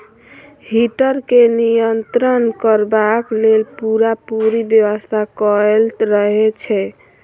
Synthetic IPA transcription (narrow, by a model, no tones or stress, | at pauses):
ɦiʈəɾkenijənt̪ɾənkəɾbaklelpuɾapuɾibjəwəst̪ʰakəlɾəɦɛt͡ʃʰɛ